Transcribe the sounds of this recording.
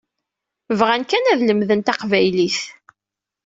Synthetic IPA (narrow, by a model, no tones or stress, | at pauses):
vʁænkænæðləmðənt̪ɑqvæjliθ